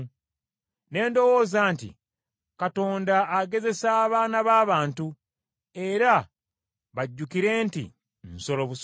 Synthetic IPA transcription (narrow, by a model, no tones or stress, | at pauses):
ne̞ːndo̞wo̞ːzaːntḭ | kato̞ːndaːɡe̞ze̞saːβaːnaβaːβaːntu | e̞ɾa | βaɟːukiɾe̞ːntḭ | nso̞lo̞βus